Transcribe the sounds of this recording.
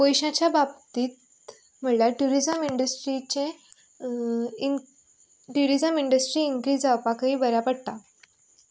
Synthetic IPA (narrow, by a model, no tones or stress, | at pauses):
pojɕãt͡ɕjabab̚t̪iːt̪ | m̤əljaʈuɾid͡ʑəmiɳɖəsʈɾit͡ɕẽ | ʈuɾid͡zəmiɳɖəsʈɾiːŋkɾiːd͡zawpakəiːbəɾapəɽt̪a